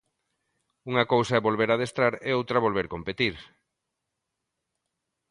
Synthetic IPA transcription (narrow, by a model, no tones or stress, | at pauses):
uŋakowsaɛβolβeɾað̞est̪ɾaɾeowt̪ɾaβolβeɾkompet̪iɾ